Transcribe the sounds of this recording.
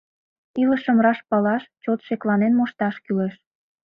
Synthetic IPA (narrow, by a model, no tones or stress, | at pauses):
iləʃə̆mɾɑʃpɑlɑʃt͡ɕot̪ʃeklɑnenmoʃt̪ɑʃkyleʃ